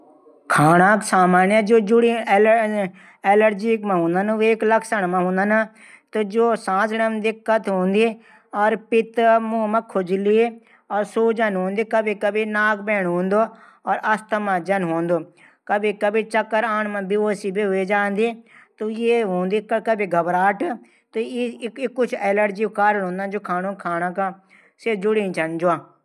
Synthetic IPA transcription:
kʰaːɳãːksaːmaːnãːd͡ʒoːd͡ʒʊɽi | eːləɾd͡ʒiːkmãɦõːnd̪ənʋeːkləksəɳmãɦũːnd̪əna | t̪od͡ʒoːsãːd͡ʒɽəmd̪ɪkːət̪ɦõːnd̪i | ɔːɾpɪt̪mũːmãːkʰʊd͡ʒliːe | ɔːɾsuːd͡ʒənɦõːnd̪iːkəbʱikəbinaːk̚beːɳɦõːnd̪oː | ɔːɾʔɐst̪əmãːd͡ʒɐnɦõːnd̪oː | kəbiːkəbiːt͡ʃəkːəɾaːɳmãːbioːsiːbiɦʊeːd͡ʒaːnd̪iːt̪ojeːɦõːnd̪iːkkəbiːɡʱəbɾaːʈ | t̪oɪkːʊt͡ʃʰɛːləɖd͡ʒiːkaːɾəlɦõːnd̪ãːd͡ʒoːkʰaːnõːkʰaːnãːkãː | sed͡ʒʊɽĩːt͡ʃənd͡ʒoãː

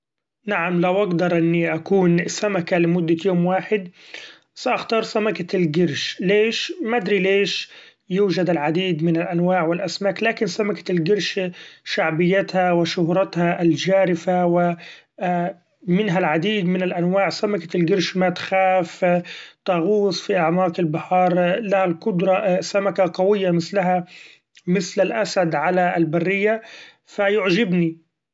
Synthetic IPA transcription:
naʕamlawʔaɡd̪ɑɾˤʔɪnːiʔakuːnsamakalɪmʊd̪ːajoːmwaːħɪd̪ | saʔaxt̪ɑːɾˤsamakalɡɪɾʃleːʃmad̪ɾileːʃ | juːʒad̪ɪlʕad̪iːd̪mɪnɪlʔanwaːʕwɪlʔasmaːklaːkɪnsamakḁlɡɪɾˤʃʃaʕbɪjːat̪hawɪʃʊhɾˤɑt̪haʔɪld͡ʒaːɾɪfawɪ | mɪnɦalʕad̪iːd̪mɪnalʔanwaːʕsamakḁlɡɪɾʃmat̪xaːft̪ˤɑɣuːsˤfiʔaʕmɑːqɪlbɪħɑːɾˤlahalqʊd̪ɾˤɑsamakaqɑwɪjːamɪθlaɦa | mɪθlalʔasad̪ʕalaɪlbarːɪjːa | fajʊʕʒɪbni

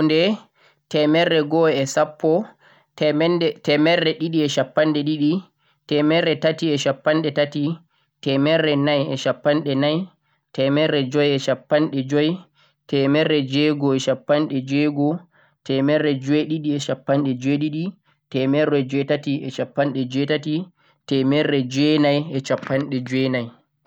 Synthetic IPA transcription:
ndɛ | tɛmɛrɛɡɔɛsapːɔ | ntɛmɛrːɛɗiɗiɛʃapːanɗɛɗiɗi | tɛmɛɾɛtatiɛʃapːanɗɛtati | tɛmɛrːɛnajɛ̰ʃapːanɗɛnaj | tɛmɛrːɛd͡ʒɔjɛʃapːanɗɛd͡ʒɔj | tɛmɛrɛd͡ʒɛɡɔɛʃapːanɗɛd͡ʒɛɡɔ | tʰɛmɛrːɛd͡ʒɔɛɗiɗiɛʃapːanɗɛd͡ʒɛɗiɗi | tɛmɛrɛd͡ʒɔjtatiʔɛʃapːanɗɛd͡ʒɛtati | tɛmɛrːɛd͡ʒɛnajɛt͡ʃapːanɗɛd͡ʒɛnaj

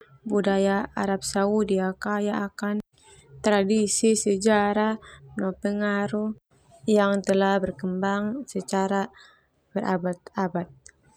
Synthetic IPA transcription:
budajaaɾap̚saudiakajaʔakan | t̪ɾadisisəd͡ʒaɾahnɔpəŋaɾuh | jaŋt̪əlahbərkəmbaŋsət͡ʃaɾa | b̥ərʔa̰bat̪abat̪̚

